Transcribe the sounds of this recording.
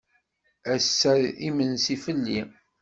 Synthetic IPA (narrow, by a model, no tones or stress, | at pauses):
æsːæɾimənsifəlːi